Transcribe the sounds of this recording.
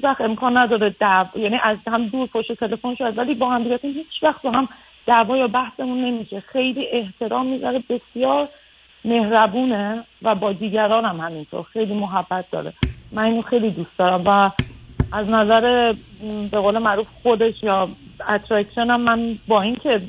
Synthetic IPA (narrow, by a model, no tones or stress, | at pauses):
hit͡ʃvæxt̪e̞mkʰɒːnːæd̪ɒːɾed̪ævjæːniːʔæzhæmd̪uːɾpʰoʃtet̪ʰe̞le̞fo̞nʃoæd̪væliːbɒːhæmd̪iɟæt̪ʰunhiːt͡ʃʰvæxt̪̚bɒɦæm | d̪̥ævɒːjɒːbæhse̞munːe̞miʃexe̞jliːʔe̞ht̪ʰe̞ɾɒːmːizæɾebe̞sjɒːɾ | me̞hɾæbuːnevæbɒːd̪iːɟæɾɒːnæmhæmint̪ʰo̰ɾxe̞jliːmoɦæb̥ːæt̪̚ʰd̪ɒ̰ːɾḛmæniːnoxe̞jlid̪uːst̪d̪ɒːɾæmvæ | æznæzæɾe̞ | be̞ɣoːlemæʔɾuːfxod̪e̞ʃjɒːæt̪ʰɾæksʃonæmːænbɒːincʰe̞